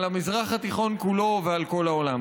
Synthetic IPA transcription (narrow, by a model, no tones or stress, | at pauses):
lamizʁaχat̪iχo̞nkulo̞vealko̞laolam